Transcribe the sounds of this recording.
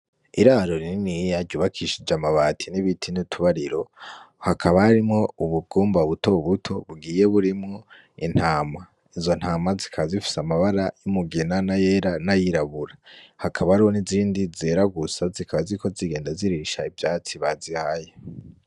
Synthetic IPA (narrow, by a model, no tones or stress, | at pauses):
iɾaɾoɾininijaɟɟuβakʰiʃid͡ʒamaβaːtʰiniβitʰinitʰuβaɾiɾo̞ | hakʰaβahaɾimŋo̞uβuɡ̥uːmbauβuto̞uβutʰo̞βuɡiːje̞βuɾimŋo̞ | in̥haːma | izo̞n̥haːmazikʰaβazifi̥samaβaɾajumuɡinanajeɾanajiɾaβuɾahakʰaβaɾiho̞niziːndizeɾaɡusazikʰaβaziiko̞ziɡeːndaziɾiʃaivjaːt͡siβazihaje